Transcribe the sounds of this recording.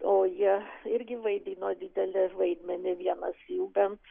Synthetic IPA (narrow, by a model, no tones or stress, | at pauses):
oːjiɛɪɾʲɡʲɪʋɐɪd̪ʲiːnoːd̪ʲiːd̪ʲɛlʲɪʋɐɪd̪ʲmʲɛnʲɪʋʲiɛnɐsuːbʲɛn